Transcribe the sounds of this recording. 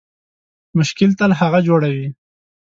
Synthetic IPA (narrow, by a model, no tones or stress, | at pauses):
mʊʃkɪlt̪alahaɣad͡ʒoɽawi